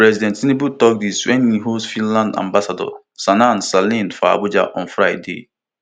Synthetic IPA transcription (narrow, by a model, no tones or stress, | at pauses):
pɾɛzidɛ̃ntinibutɔk̚diswennĩɦosfĩnlãndã̰mbasadɔ̰ | sanansalĩnfɔa̰bud͡ʒa̰ʔɔ̃nfɾajdḛ